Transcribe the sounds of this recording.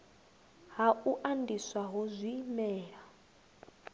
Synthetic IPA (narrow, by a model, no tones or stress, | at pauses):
ɦauʔandiswaɦɔzʷimɛːɺa